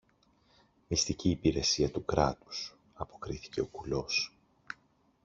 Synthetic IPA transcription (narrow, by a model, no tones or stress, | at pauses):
mist̪iciːpiɾe̞siɐt̪ukɾɐ̰t̪u̥s | ɐpo̞kɾiθi̥ce̞o̞kulo̞s